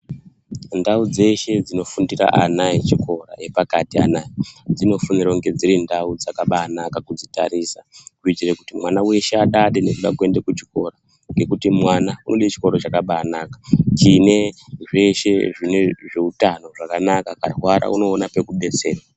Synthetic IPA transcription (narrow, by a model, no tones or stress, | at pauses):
ndaud͡ze̞ʃe̞d͡zino̞fundira̰ʔanait͡ʃiko̞ra̰je̞pakatia̰naid͡zino̞funirauŋɡe̞d͡zirindaud͡zakaɓaːnakakud͡zita̰ɾisakuitirekutimwanawe̞ʃeaɗaɗene̞kuɗakue̞ndekut͡ʃi̥ko̞ɾa | ŋɡe̞kutimwanaunoɗet͡ʃi̥ko̞ɾot͡ʃakaɓaːnakḁt͡ʃine̞ʐe̞ʃe̞ʐine̞ʐe̞utano̞ʐakanakakarwaɾa̰uno̞ːnape̞kuɓe̞se̞ːra